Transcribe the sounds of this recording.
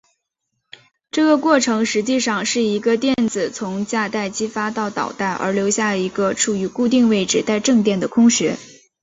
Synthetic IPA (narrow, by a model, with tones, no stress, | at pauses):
ʈ͡ʂɤ˥˩ɡə˩kwɔ˥˩ʈ͡ʂʰɤ˧˥ŋʂɻ̩˧˥t͡ɕi˥˧ʂɑ˥˧ŋʂɻ̩˥˩i˧˥ɡə˧t̪jɛ˥˩nt͡sɹ̩˨˩t͡sʰʊ˧˥ŋt͡ɕja˥˧t̪a˥˩ɪt͡ɕi˥fa˥t̪ɑ˥˩ʊt̪ɑ̰˨˩ʊt̪a˥˩ɪʔə̰˞˧˥ljo˧˥ʊɕja˥˩i˧˥ɡə˧ʈ͡ʂʰu˨˩y˧˥ku˥˧t̪̬i˥˧ŋwe˥˩ɪʈ͡ʂɻ̩˥˩t̪a˥˧ɪʈ͡ʂɤ˥˧ŋt̪jɛ˥˩nd̪ə˩kʰʊ˥ŋɕɥɛ˧˥